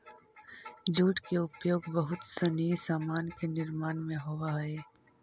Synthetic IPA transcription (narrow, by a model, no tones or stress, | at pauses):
d͡ʒuːʈkeʊpjoːɡbɐɦʊt̪seniisaːmaːnkenɪɾmaːnmẽɦoːʋaɦɛː